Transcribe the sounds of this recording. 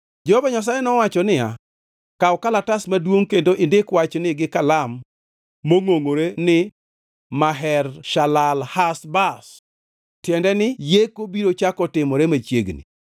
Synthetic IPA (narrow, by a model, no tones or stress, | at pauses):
d͡ʒɔhɔbaɲas̬ajɛnɔwat͡ʃɔnɪja̰ | kaɔkalatasmadwoŋkendoʔɪndɪkwat͡ʃnɪɡɪkalamː | oŋoŋoɾenɪ | maɦɛrʃalalhasbas | tjɛndɛnɪjekobiɾot͡ʃakɔtɪmɔɾemat͡ʃjeɡnḭ